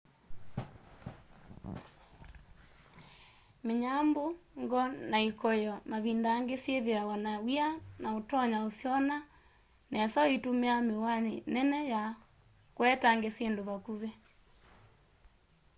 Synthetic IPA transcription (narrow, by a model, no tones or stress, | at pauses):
meɲamboŋɡɔnaikɔjɔmaβindaːŋɡesjeðeawanawianaotɔɲaosjɔna | nɛsɔitumeamewanenɛnɛja | kwɛtaŋɡesendoβakuβɛ